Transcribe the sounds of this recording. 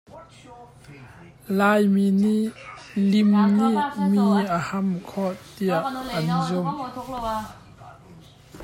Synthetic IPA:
lajminilimnimiahamkʰɔtːijaɐnizɔm

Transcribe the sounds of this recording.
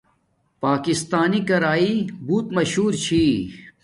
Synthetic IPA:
paːkist̪aːnikɐɾaːibuːt̪mɐɕhuːɾt͡ɕʰiː

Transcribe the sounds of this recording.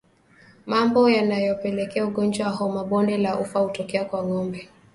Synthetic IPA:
mambɔjanajɔpɛlɛkɛauɠɔnd͡ʒwawahɔmaɓɔndɛlaʔufahutɔkɛakwaŋɔmbɛ

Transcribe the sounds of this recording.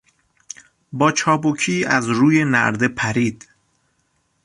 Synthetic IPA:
bɒːt͡ʃʰɒːbokʰiːæzɾuːjenæ̰ɾd̪e̞pʰæɾiːd̪̥

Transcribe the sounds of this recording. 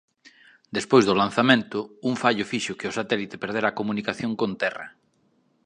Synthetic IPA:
d̪espojzðʊlan̟θamẽnt̪ʊuɱfaʎʊfiʃʊkɪʊsat̪ɛlit̪e̥peɾðeɾakomunikaθjoŋkont̪ɛrɐ̰

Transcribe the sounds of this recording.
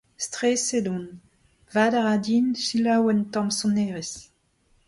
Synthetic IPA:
stʁeːsedɔ̃n | vaːdaʁadinsilawɛntɑ̃msɔ̃neːʁes

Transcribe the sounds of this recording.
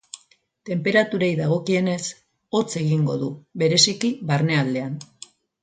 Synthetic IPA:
t̪e̞mpe̞ɾat̪uɾejðaɣ̞o̞kie̞ne̞s | o̞t͡se̞ɣiŋɡo̞ðuβe̞ɾe̞sikiβaɾne̞ald̪e̞an

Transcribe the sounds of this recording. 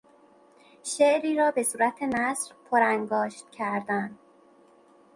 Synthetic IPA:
ʃeʔɾiːɾɒːbe̞suːɾæt̪ʰe̞næsɾpʰoɾæŋɡɒːʃt̪̚cʰæɾd̪æn

